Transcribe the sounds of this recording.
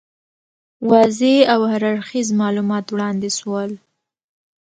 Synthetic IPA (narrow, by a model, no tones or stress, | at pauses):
wɑzeawhaɾaɾxizmɑlumɑt̪wɽɑnd̪eswəl